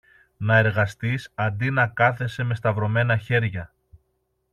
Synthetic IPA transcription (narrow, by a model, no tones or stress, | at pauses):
nɐe̞ɾɣɐst̪isɐnd̪inɐkɐθe̞se̞me̞st̪ɐvɾo̞me̞nɐçe̞ɾʝɐ